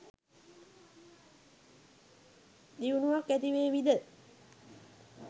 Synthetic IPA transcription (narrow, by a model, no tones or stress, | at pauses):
d̪iʋunuʋakːæt̪iʋeːʋid̪ə